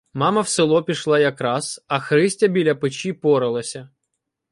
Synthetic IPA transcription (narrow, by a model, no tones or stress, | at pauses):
mɑmɐwsɪlˠɔpʲiʃlˠɑjɐkɾɑsɐxɾɪsʲtʲɐbʲilʲɐpɪt͡ʃipɔɾɪlˠɐsʲɐ